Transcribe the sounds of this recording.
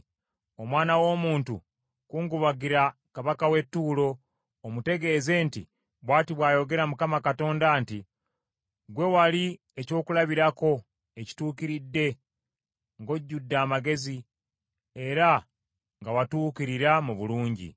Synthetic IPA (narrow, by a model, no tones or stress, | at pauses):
o̞mwaːnawo̞ːmuːntṵ | kuːŋɡuβaɡiɾakaβakawe̞tːuːlo̞ː | mute̞ɡe̞ːze̞ːnti | βwaːtiβwaːjo̞ɡe̞ɾamukamakato̞ːndanti | ɡwe̞wali | eco̞ːkulaβiɾako̞ | e̞ci̥tuːkiɾidːe̞ | ŋɡo̞ɟːudːaːmaɡe̞zi | e̞ɾa | ŋɡawatuːkiɾiɾamuβuluːɲɟḭ